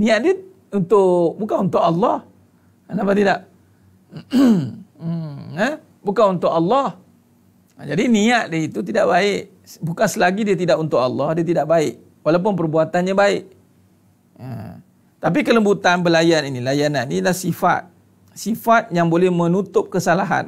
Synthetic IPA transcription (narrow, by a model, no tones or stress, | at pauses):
nĩaʔ̪̚diə | unt̪ʊʔbukanunt̪ʊʔalːɑh | napat̪idaʔ | ə | bukanunt̪ʊʔalːɑh | d͡ʒadiniaʔ̪̚deit̪ut̪̬idaʔbaɪʔ | bukansəlaɡidiət̪idaʔunt̪ʊʔɑ̰lːɑhdiət̪idaʔbaɪʔ | walap̬ʊnp̬ərbuat̪anɲabaɪʔ | ə̰ | t̪ap̬ikələmbut̪anbəlajaninĩlajanannilahsifa̰t̪̚ | sifat̪̚jaŋbolɛhmə̃nut̪ʊp̚kəsalaɦa̰n